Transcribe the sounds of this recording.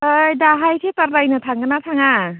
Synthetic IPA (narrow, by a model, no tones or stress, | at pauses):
ɯjdaɦajsʰetaɾlajnɯtʰaŋɡɯnatʰaŋa